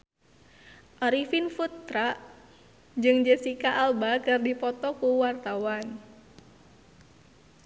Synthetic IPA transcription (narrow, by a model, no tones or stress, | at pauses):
ʔɔɾifinfut̪ɾaʔ | d͡ʒɨŋd͡ʒəsikaʔːlbakɨrdipɔt̪ɔkuwart̪awan